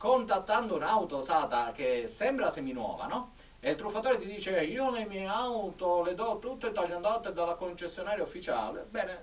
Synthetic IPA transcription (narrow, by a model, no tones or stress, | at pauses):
kont̪at̪ːand̪ounawt̪osaːt̪ak̟esːɛmbɾasemːinwɔ̰ːva̰nɔ | elt̪ɾufːat̪ɔːɾet̪id̪iːt͡ʃeiːonejmjɛjawt̪olɪd̪ɔt̪ːut̪ːet̪ːaʎːand̪at̪ːed̪alakont͡ʃesːjonaːɾjaufːit͡ʃa̰ːlḛbɛːne